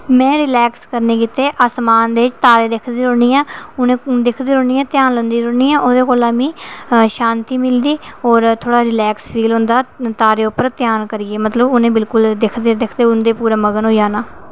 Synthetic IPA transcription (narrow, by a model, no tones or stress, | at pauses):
mɛ̃ːɾɪlɛːkskəɾneːkiːt̪eːʔaːsmaːnd̪eːɪt͡ʃt̪aːɾeːd̪ɪkʰd̪iːɾoːniːãːʊnẽːd̪ɪkʰd̪eːɾoːiːãːt̪jaːnlənd̪iːɾoːɳiːãːʔoːd̪eːkoːlaːmĩːʃãːnt̪iːmɪld̪iːɔːɾt̪ʰoːɽaːɾɪlɛːkspʰiːlɦʊ̃nd̪aːt̪aːɾeːʊpːəɾt̪ɪjaːnkəɾiːeːmət̪ləbʊnẽːbɪlkʊld̪ɪkʰd̪ed̪ɪkʰd̪eːʊnd̪eːpuːɾaːməɡənɦoːjaːnaː